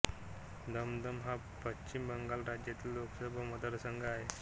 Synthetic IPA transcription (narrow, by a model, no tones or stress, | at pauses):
d̪əmd̪əmɦa | pət͡ɕimbəŋɡalɾad͡ʑjat̪iːlːoksəbʱaməd̪əɾəsəŋɡaaɦe